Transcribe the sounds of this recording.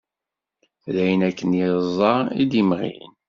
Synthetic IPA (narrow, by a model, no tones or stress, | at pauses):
læjənækːənjəzˤːɑid̪imʁḭjə̰n